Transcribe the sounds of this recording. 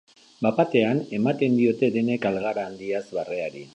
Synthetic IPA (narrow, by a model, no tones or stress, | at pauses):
bapat̪e̞ane̞mat̪e̞nd̪io̞t̪e̞d̪e̞ne̞kalɣaɾaːnd̪iazβare̞aɾi